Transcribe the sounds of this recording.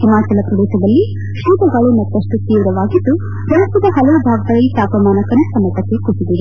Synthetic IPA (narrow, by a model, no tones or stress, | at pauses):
kimaːt͡ʃɐlɐpɾɐɖ̪eːʃɐd̪ɐlːi | ʃuːt̪ɐɡɐɭumɐt̪ːɐʂʈut̪iːʋɾɐʋaːɡid̪ːu | pɾɐɐsɐd̪ɐɦɐlɐʋubʱaːɡɐd̪ɐɾɐlːit̪aːpɾɐmaːnɐkɐnusɐmɐʈ̪ɐkːekusid̪iɾu